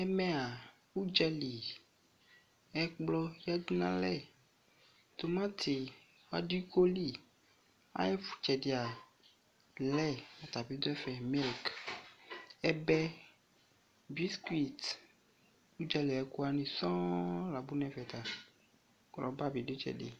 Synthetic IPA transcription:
ɛ˦mɛ̃˦a˨ | u˦d͡ʒɛ˦li˨ | ɛ˦k͡plɔ˦ja˦d̪u˦nã̰˦lɛ˦˨ | t̪o˨mã˦t̪ʰe˨ | wa̰˦di˦ko˦li˦ | a̰˦jɛ˦fu̥˨t͡ʃɛ˨di˨a˨ | lɛ˦a˨t̪a˨bi˦d̪o˦ɛ˦fɛ˨mi˦˨lk | ɛ˦bɛ˦ | bi˦ski˦t̪ | u˦d͡ʒɛ˦li˨ɛ˨ku˦a˦nĩ˨sɔ̃˦la˨bu˦nɛ̃˨vɛ˨t̪a˨ | klɔ˨ba˦bi˨do˦t͡ʃɛ̰˨dḛ˨

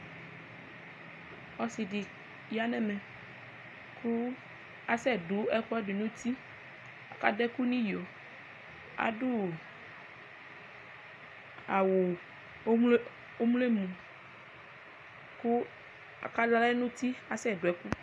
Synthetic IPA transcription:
ɔ˦si˨di˨ | ja˦nɛ̃˨mɛ̃˨ | kʰu˦ | a˦sɛ˦˨ɖu˨˦ɛ˦kɔ˦ɖe˨nũ˦t̪i˦ | a̰˨ka˦dɛ˦ku˦nĩ˦jo˨ | a̰˨ɖu˦˨ | a˨wo˨˦ | ml | o˦m˦le˦mũ˨ | ku˦ | a̰˨ka˦da˦lɛ˦nũ˦t̪i˦a˨sɛ˦˨du˨ɛ˨˦ku˦

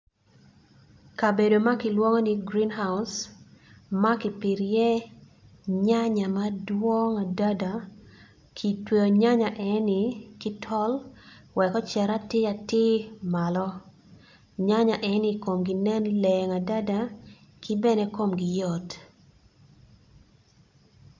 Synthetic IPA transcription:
ka˨be˨do˨ma˦kɪ˨lwo˦ŋɔ˦ni˦ɡɾi˦nɦa˦ʊs | ma˦kɪ˨pɪ˨ɾjɛ˦ | ɲa˦ɲa˨madwɔ˦ŋa˨da˦da˨ | kʰi˨tweo˨ɲa˦ɲa˨ʔɛ˨nɪ˨kɪ˦tʰɔ˦lwɛ˨kɔ˦t͡ʃɛ˨ɾa˦tɪ˦a˨tɪ˦ma˨lɔ˦ | ɲa˦ɲa˨ʔɛ˨niko˨mɡi˨nɛ˦nlɛŋa˨da˦da˦ | kɪ˦bɛ˦ne˦ko˦mɡɪjɔ˨t

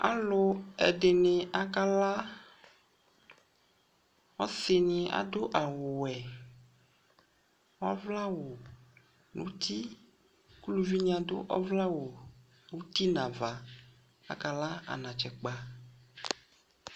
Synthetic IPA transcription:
a̰˨lʊ˨ɛ̰˨ɖɪ˨nɪ˨a˨ka˦la˦ | ɔ˦sɪ˨nɪ̃˨a̰˨d̪o˦ʔa˨wʊ˨wɛ˨ | wɔ˦vla˦wo˨ | nṵ̃˦t̪i˦ | ku˦lu˨vi˦ɲã˨d̪ʊ̰˦ʔɔ̰˦vla˦wo˨ | nũ˦t̪i˦nã˨va˨ | a̰˨ka˨la˦a̰˨nã˨t͡ʃɛ˨k͡pa˨

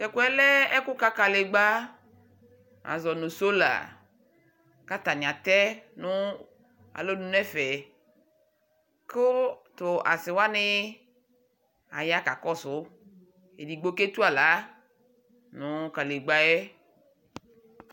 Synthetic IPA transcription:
kɛ˨ku˦ɛ˦lɛ˦ɛ˦kʊ˦ka˦ka˨le˨ɡ͡ba˦ | a̰˨zɔ˨nʊ˨so˦la̰˨ | ka˦t̪a˨nɪ̃˨a˨t̪ɛ˦nʊ˦ | a̰˨lo˦nũ˨nɛ˦fɛ˨ | kʊ˦t̪ʊ˨ʔa̰˨sɪ˨wa˦nɪ˦ | a̰˨ja˦ka˨kɔ˦sʊ˨˦ | e˨di˨ɡ͡bo˦ke˦t̪u˦a˨la˨˦ | nʊ̃˨ka˨le˨ɡ͡ba˦jɛ˦

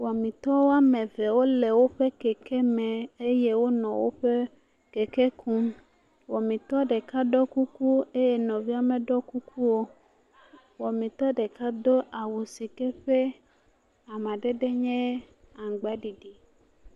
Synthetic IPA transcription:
wɔ˨mĩ˨t̪ɔ˦wo˦a˦mɛ̃˨ve˨wo˦le˨wo˦ɸe˦kɛ˨kɛ˦mɛ̃˨e˦je˦wo˦nɔ̃˨wo̰˦ɸe˦ | ke˨kɛ˦kũ˦m | wɔ˨mĩ˨t̪ɔ˦ɖe˨ka˦ɖɔ˦ku˦ku˦e˦je˦nɔ̃˨vi˦a˦mɛ̃˨ɖɔ˦ku˦kʰu˦wo˦ | wɔ˨mĩ˨t̪ɔ˦ɖe˨ka˦d̪o˦ʔa˨wo˨si˨kɛ˦ɸe˦ | a˨m˨ã˨ɖe˦ɖe˦ɲɛ̃˦ | a˨ŋ˨ɡ͡ba˨˦ɖi˨ɖi˨

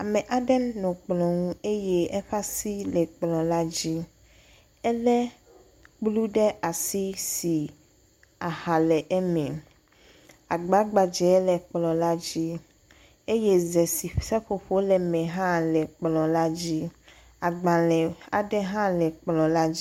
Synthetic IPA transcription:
a˨mɛ̃˨ʔa˦ɖɛ˦nɔ̃˨k͡plɔ̃˨ŋũ˦e˦jɛ˦ɛ˦ɸa˦si˦lɛ˨k͡plɔ̃˨la˦d͡ʑi˦ | ɛ˦lɛ˦ | k͡plu˦ɖɛ˦ʔa˨si˦si˨ | a˨ha˨lɛ˨ʔɛ˦mɛ̃˨ | a˨ɡ͡ba˦ɡ͡ba˨d͡ʒɛ˨˦lɛ˨k͡plɔ̃˨la˦d͡ʑi˦ | e˦je˦zɛ˨si˨sɛ˦ɸo˨ɸo˦lɛ˨mɛ̃˨ɦã˦lɛ˨k͡plɔ̃˨la˦d͡ʑi˦ | a˨ɡ͡ba˨lɛ˨a̰˨ɖɛ˦ɦã˦lɛ˨k͡plɔ̃˨la˦d͡ʑi˦

